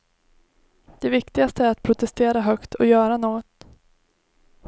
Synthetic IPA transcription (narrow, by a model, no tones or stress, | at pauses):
d̪̥ɛvɪkt̪ɪɡast̪əæɾat̪̚pʰɾʊt̪ɛst̪eːɾaɦœkt̪ʰɔjœːɾanoːɡɔt̪